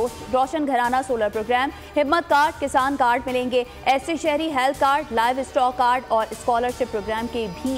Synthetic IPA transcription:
ɾɔːʃənɡʱɐɾaːnasoːləɾpɾoːɡɾɛːm | hɪmːət̪̚kaːɾɖ̚kɪsaːnkaːɾɖmɪlẽːŋɡe | ɛːseʃɛɦɾiɦɛlt̪ʰkaːɾɖlaːɪʋɪsʈɔːkːaːɾɖɔːɾɪskɔːləɾʃɪpːɾoːɡɾɛːmkebʱi

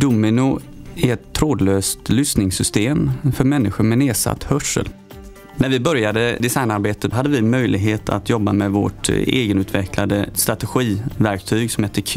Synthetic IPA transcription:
d̪ʊmɪnʊ | æɾɛt̪ʰːɾoːd̪løːst̪lʏsnɪŋsʏst̪eːmfœɾmɛnːɪɧʊmɛneːsa̰t̪ːhœʂə̰l | næɾvɪbœɾjad̪əd̪ɪsajnaɾbeːt̪ət̪ɦad̪ːəvɪmœjlɪɡɦeːt̪ʰa̰t̪jɔbːamɛvo̰ʈḛːɡənʉ̟ːt̪ʰvɛkʰlad̪əst̪ɾat̪ɛɧiːvæɾk̚t̪ʰyːɡsɔmheːt̪ːəkʰ

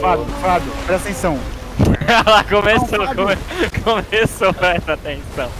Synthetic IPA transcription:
fad̪ʊfad̪ʊpɛɾat̪ẽsɐ̃w̃ | alakõmesokokʰomesopɛsɐat̪ẽsɐ̃w̃

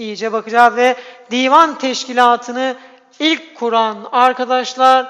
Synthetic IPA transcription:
ijid͡ʒɛbakɯd͡ʒaːvɛd̪iːvant̪ʰɛʃcilʲaːt̪ʰɯnɯ | ilʲckʰːuɾanaɾkʰad̪aʃlˠaɾ

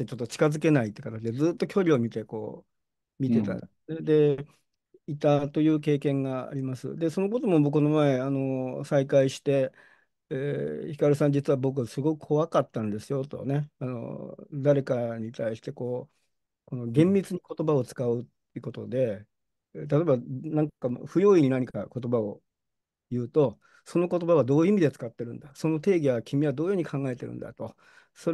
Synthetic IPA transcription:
et͡ɕo̞t̪ːo̞t͡ɕi̥kazɨk̬e̞nait̪ːekat̪at͡ɕid̪e̞d͡zɨːt̪ːo̞kʲo̞ɾʲio̞mʲit̪e̞ko̞̰ː | mʲit̪e̞t̪a̰ | ned̪e̞ | it̪at̪o̞jɯ̟ːk̬e̞ːkẽ̞ŋɡaa̰ɾʲimasɨ̰d̪e̞so̞no̞k̬o̞t̪o̞mo̞bo̞kono̞mae̞ano̞saikaiɕi̥t̪e̞ː | çi̥kaɾɯ̟sãɲ̟d͡ʑit͡sɨβabo̞k̬ɯ̟asɨɡo̞kɯ̟̥kʰo̞βakat̪ːãnd̪e̞sɨjo̞t̪o̞̰ne̞ano̞̰d̪aɾe̞kaɲ̟it̪ʰaiɕi̥t̪eko̞ː | ko̞no̞ɡẽ̞mbʲit͡sɨɲ̟iko̞t̪obao̞t͡sɨ̥kaɯ̟t̪ːeɯ̟ko̞t̪o̞d̪e̞ | t̪̬at̪o̞ebanãŋkkaɸɯ̟jo̞ːiɲ̟inaɲ̟ikako̞t̪o̞bao̞ | jɯ̟ːt̪o̞ | so̞no̞ko̞t̪o̞baβad̪o̞ːɯimʲid̪e̞t͡sɨ̥kat̪ːe̞ɾɯ̟̃nd̪aso̞no̞t̪e̞ːɡʲiakʲimʲiβad̪o̞ːjoːɲikʰãŋɡae̞t̪e̞ɾɯ̰̃nd̪a̰t̪o̞ | so̞ɾ

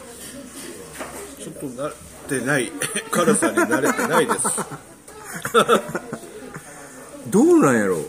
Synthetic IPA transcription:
t͡ɕo̞t̪ːonaɾ | t̪e̞naikaɾɯsaɲʲanaɾet̪enaide̞s | d̪oːnãɰ̃jaɾo̰

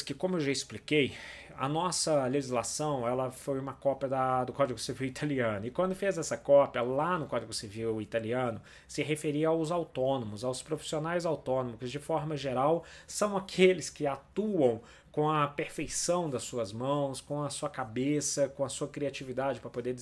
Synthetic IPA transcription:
kɪkõmʊewʒaɪsplikej | ɐ̰nɔsɐleʒizlasɐ̃w̃ɛlɐfojũmɐkɔpjɐd̪ɐd̪ʊkɔd͡ʒɪɡʊsiviwit̪ʰaliɐ̃nʊɪkwɐ̃nd̪ʊfezɛsɐkɔpiɐlanʊkɔd͡ʒɪɡʊsiviwit̪aliɐ̃nʊ | sɪɦefeɾiɐawzawt̪õnõmʊzawspɾofi̥sionajzawt̪õnõmʊzd͡ʒɪfɔɾmɐʒeɾawsɐ̃w̃akʰelɪskɪat̪uɐ̃w̃ | kõɐpeɾfejsɐ̃w̃d̪ɐsuɐzmɐ̃w̃skõɐsuɐkabesɐkõɐsuɐkɾiat͡ʃivid̪ad͡ʒɪpɾɐpod̪e

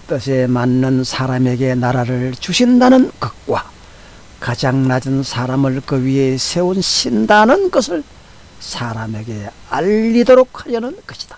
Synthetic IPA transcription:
t͈ɯɕʰe̞manːɯnsʰaɾame̞ɡe̞naɾaɾɯɭt͡ɕuɕʰindanɯnkʌk̚k͈wa | kad͡ʑaŋnad͡ʑɯnsʰaɾamɯɭkɯɥiɦe̞sʰe̞unɕʰindanɯnɡʌsʰɯɭ | sʰaɾame̞ɡe̞ | aʎːidoɾok̚haɾjʌnɯnkʌɕʰi̥d̥ḁ

